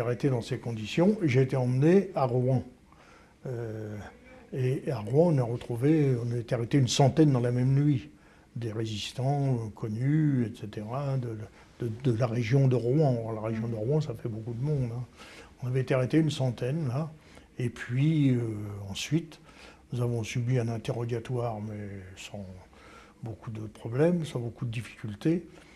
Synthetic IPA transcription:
aʁet̪ed̪ɑ̃sekɔ̃d̪isjɔ̃eʒeːt̪ɛɑ̃mneaʁwɛ̃ | ø | eaʁwɛ̃ɔ̃naʁət̪χuveɔ̃naet̪eaʁet̪eynsɑ̃t̪ɛnd̪ɑ̃lamɛmnɥi | d̪eʁezist̪ɑ̃kʰɔnyɛt̪set̪eʁad̪ə | d̪̥əd̪əlaʁeʒjɔ̃d̪əʁwɑ̃laʁeʒjɔ̃d̪əʁɑ̃safɛbokud̪əmɔ̃d̪ɛ̃ɔ̃navɛet̪eaʁet̪eynsɑ̃t̪ɛnla | epɥiøɑ̃sɥit̪ | nuzavɔ̃sybiɛ̃nɛ̃t̪eʁɔd̪jat̪waːʁmɛsɑ̃ | bokud̪əpχɔblɛmsɑ̃bokud̪əd̪ifi̥kʲylt̪e

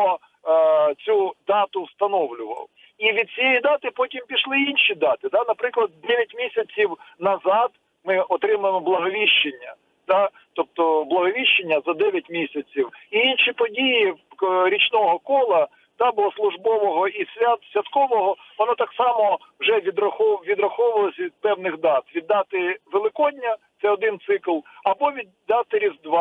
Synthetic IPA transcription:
ɔ | t͡sʲud̪ɑt̪ʊwst̪ɐnɔwlʲʊʋɐ̰w | iʋʲid̪̚t͡sʲijejid̪ɑt̪ɪpɔtʲimpʲiʃlˠɪinʃid̪ɑt̪ɪd̪ɑnɐpɾɪklˠɐd̪̚d̪ɛʋʲjɐtʲmʲisʲɐt͡sʲiwnɐzɑd̪ | mɪʔɔt̪ɾɪmɐɪmɔblˠɐɦɔʋʲiʃt͡ʃːenʲːɐ | d̪̥ɑ | t̪ɔp̚t̪ɔblˠɐɦɔʋʲiʃt͡ʃːenʲːɐzɐd̪ɛʋʲjɐtʲmʲisʲɐt͡sʲiwiinʃipɔdʲijiɾʲit͡ʃnɔɦɔkɔlˠɐ | d̪̥ɑbʊɔslˠʊʒbɔʋɔɦɔisʲʋʲat̪sʲʋʲɐt̪kɔʋɔɦɔʋɔnɔt̪ɑksɑmɔwʒɛʋʲid̪rɐxʋʲid̪ɾɐxɔʋʊʋɐlˠɔsʲɐʋʲid̪̚pɛwnɪxd̪ɑt̪ʋʲid̪ːɑt̪ɪʋelˠɪkɔdʲnʲːɐt̪sɛɔd̪ɪnt̪sɪklˠɐbɔʋʲid̪ːɑt̪ɪɾʲizd̪ʋɑ

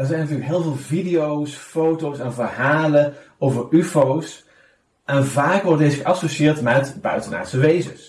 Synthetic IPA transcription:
əɹzɛjnɑtyːɹləkɦɪːlˠvɪːlˠvidijowsfowtowsɛnvərɦaːləowvəɹyfows | ʔɛnvaːkʋɔddezxəʔɑsoʃɪːɹtmɛtbœ̰ɥtəna̰ːsəʋejzə̰s

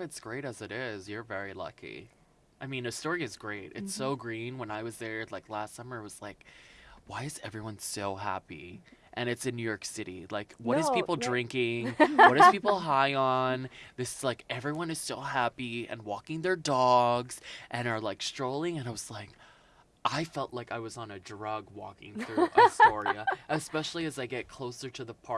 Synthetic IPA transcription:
ɨtsɡ̥ɹeɪɾɨzɨɾɪzjə˞vɛɹilʌ̰kʰḭ | ʔaɪmĩnɨstɔɹiɨzɡɹeɪt̚ɨ̰tsoʊɡɹĩnwə̃naɪwʌzðə˞laɪklæstsʌmə˞at̚wʌz̥laɪkwaɪɨzɛvɹiwʌ̃nsoʊɦæ̰pḭʔɨ̃nɨtsɨ̃njʉjɔɹksɪɾḭlaɪkwʌɾɨzz̥pʰipl̩ˠdɹɪ̃ŋkɪ̃ŋwʌɾɨz̥pʰipl̩ˠɦaɪənðɪsɨz̥laɪkɛvɹiwʌ̃nɨz̥soʊɦæpiɨ̰̃nwɔkɪ̃ŋðə˞dɔɡz̥ʔɨ̃nə˞laɪkstɹ̥oʊlˠɪ̃ŋɨ̃naɪwʌz̥laɪk | ʔaɪfɛlˠʔlaɪkaɪwʌzn̩ɨdɹʌɡwɔ̰kɪ̰̃ŋθɹʉʔəsɔɹiɨʔɨspɛʃl̩ˠiɨzaɪɡɛt̚kʰl̥oʊsə˞ɾɨðəpʰɑ

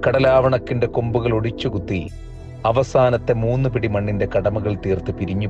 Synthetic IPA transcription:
kɐɽɐlaːʋɐɳɐkːinde̞kombuɣɐɭo̞ɽit͡ɕːukut̪ːi | ɐʋɐsaːnɐt̪ːe̞muːnːɨpiɽimɐɳːinde̞kɐɽɐmɐɣɐɭt̪iːrt̪ɨpiɾiɲːu

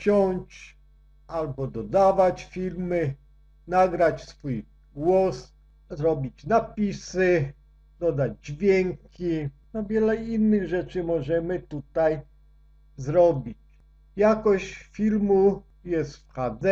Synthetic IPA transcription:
t͡ɕɔɲt͡ɕ | ʔalbɔd̪ɔd̪avat͡ɕfʲilmɘ | naɡɾat͡ɕsfuj | ɡwɔs | zɾɔbʲit͡ɕnapʲisɘ | d̪ɔd̪ad͡ʑd͡ʑvʲjɛŋkʲinɔvʲjɛlɛinːɘɣʐɛt͡ʂɘmɔʐɛmɘt̪ut̪aj | zɾɔbʲit͡ɕ | jakɔɕt͡ɕfʲilmu | jɛst̪fxad̪zɛ

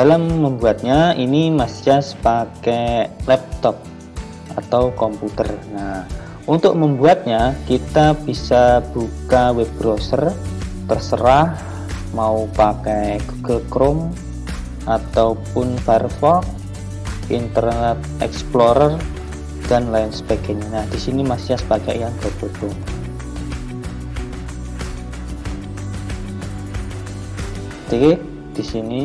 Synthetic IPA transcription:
d̥alamːəmbuat̪̚ɲainimasiasə̥pakɛlɛp̚t̪ɔp̚ | ʔat̪awkɔmput̪ərna | ʔunt̪ʊk̚məmbuat̪̚ɲakit̪ab̥isab̥ukawɛbɾosərt̪ərsəɾah | maupakajɡuɡ̥əlkɾʊm | ʔat̪awpʊnb̥arfɔk̚ | ʔint̪ərnɛt̪̚ɛ̰ksploɾər | ɡ̥anlaɪnsə̥b̥a̤ɡ̥e̤ɲanahd̪̥i̤sinimasiasə̥paɡaʔjaŋɡ̥əb̥ə̥ɔŋ | t̪iɪk | d̪̥isini

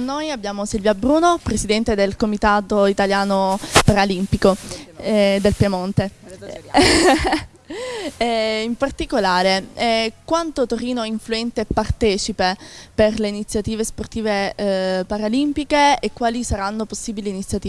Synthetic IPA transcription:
nojabːjaːmosilvjabɾuːnopɾesid̪ɛnt̪ed̪elkomit̪aːt̪oit̪aljaːnopaɾalimpiko | d̪elpjamont̪e | impart̪ikolaːɾekwant̪ot̪oɾiːnoiɱfluɛnt̪epːart̪ɛːt͡ʃipeperleinit̪sjat̪iːvesport̪iːvepaɾalimpikeːkːwaːlisaɾanːoposːiːbiliːnit̪sjat̪iː

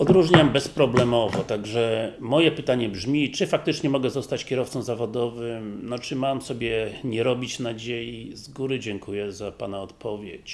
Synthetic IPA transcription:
ɔd̪ɾuʐɲambɛspɾɔblɛmɔvɔt̪aɡʐɛmɔjɛpɘt̪aɲɛbʐmʲit͡ʂɘfak̚t̪ɘt͡ʂɲɛmɔɡɛzɔst̪at͡ɕkʲjɛɾɔft̪sɔmzavɔd̪ɔvɘmnɔt͡ʂɘmamsɔbʲjɛɲɛɾɔbʲit͡ɕnad͡ʑejizɡuɾɘd͡ʑɛŋkujɛzapanaɔt̪pʰɔvʲjet͡ɕ

